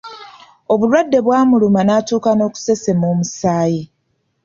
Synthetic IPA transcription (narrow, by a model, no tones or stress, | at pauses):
o̞βulwadːe̞βwaːmulumanaːtuːkano̞ːku̥se̞se̞moːmusaːji